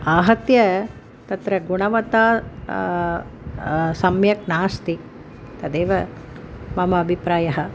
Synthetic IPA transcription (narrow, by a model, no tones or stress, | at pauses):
aːɦɐt̪jɐ | t̪ɐt̪ɾɐɡuɳɐʋɐt̪aː | sɐmjɐk̚naːst̪i | t̪ɐd̪eːʋɐ | mɐmɐːbʱipɾaːjɐɦɐ̆